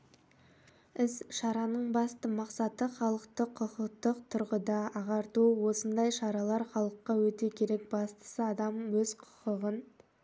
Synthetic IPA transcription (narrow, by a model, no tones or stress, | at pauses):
ɪsʃɑɾɑnəɴbɑst̪əmɑqsɑt̪əχɑlˠəqt̪əqʰːʊqəqt̪əqt̪ʰʊɾʁəd̪ɑʔɑʁɑɾt̪uwo̞sənd̪ɑjʃɑɾɑlˠɑɾχɑlˠəqːɑwɵt̪ekʲʰe̞ɾe̞k̚bɑst̪ə̥səɑd̪ɑmwɵzqʰʊ̥qəʁən